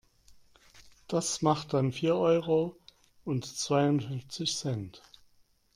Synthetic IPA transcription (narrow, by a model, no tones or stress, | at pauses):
d̥asmaχt̚d̥anfiːɐʔɔʏʁo | ʔʊntt͡sv̥aɪʊntfɪnft͡sɪçsɛnt